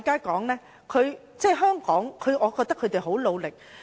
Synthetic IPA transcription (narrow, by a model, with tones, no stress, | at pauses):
kaː˥jkɔː˨˥ŋlɛː˥ | kʰɵ˨˧ɥ | t͡sɛː˥˩ɦœː˥ŋkɔː˨˥ŋkʰɵ˨˧ɥʔɔː˨˧kɔː˧k̚t̪ɐ˥kʰːɵ˨˧ɥt̪e˨jɦo˨˥wlo˨˧wlɪ˨k̚